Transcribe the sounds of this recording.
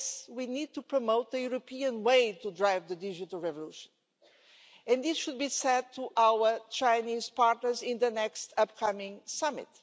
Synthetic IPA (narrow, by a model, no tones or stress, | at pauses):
swinid̪̚tupɹomoʊt̪̚ðɨjuɾopʰiɨ̃nweɪtudɹaɪvðədɪd͡ʒɨtəlˠɹɛvɔluʃə̃n | ɨ̃nɪsʃud̪̚bisɛd̚tʰuʔaʊwə˞t͡ʃãɪniz̥paɹtnə˞zɪ̃nðɨnɛkstʌp̚kʰʌmɪ̃ŋsʌmɪ̰t̪